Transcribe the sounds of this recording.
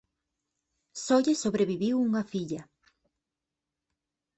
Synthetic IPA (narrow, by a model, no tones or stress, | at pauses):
sɔʎesoβɾeβiβiwuŋɐfiʎɐ